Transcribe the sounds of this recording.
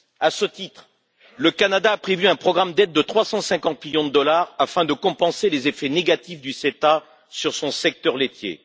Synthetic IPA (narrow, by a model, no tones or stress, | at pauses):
asət̪it̪χ | ləkanad̪aːpχevyɛ̃pχɔɡʁamd̪ɛt̪̚d̪ət̪χwasɑ̃sɛ̃kɑ̃t̪miljɔ̃d̪əd̪ɔlaʁafɛ̃d̪əkɔ̃pɑ̃selezefɛneɡat̪ifd̪yset̪a | syʁsɔ̃sɛk̚t̪œʁlet̪jḛ